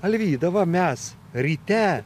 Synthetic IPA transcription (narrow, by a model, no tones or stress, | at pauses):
ɐlʲʋʲiːd̪ɐʋɐmʲɛs | ɾʲit̪ʲɛ